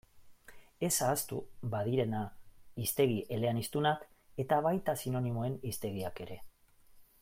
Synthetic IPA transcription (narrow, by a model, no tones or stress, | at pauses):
e̞saːst̪ubaðiɾe̞naist̪e̞ɣ̞iʔe̞le̞anist̪unak | e̞t̪aβajt̪asino̞nimo̞e̞nist̪e̞ɣ̞iake̞ɾe̞